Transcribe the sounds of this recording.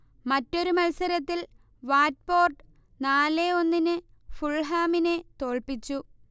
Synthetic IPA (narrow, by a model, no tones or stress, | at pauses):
mɐtːo̞ɾumɐlsɐɾɐt̪ːil | ʋaːt̚po̞ːrʈɨ | naːleo̞nːinɨfuɭɦaːminet̪o̞ːɭpit͡ɕːu